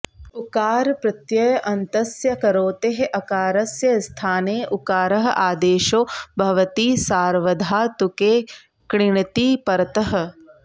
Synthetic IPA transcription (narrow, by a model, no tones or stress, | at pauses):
ukaːɾpɾɐt̪jɐjɐʔɐnt̪ɐsjɐkɐɾoːt̪eɦeʔɐkaːɾɐsjɐst̪ʰaːneːʔukaːɾɐɦɐʔaːd̪eːʃoːbʱɐʋɐt̪iːsaːɾʋɐd̪ʱaːt̪ukeː | kɳɪɳɐt̪iːpɐɾɐt̪ɐɦɐ̆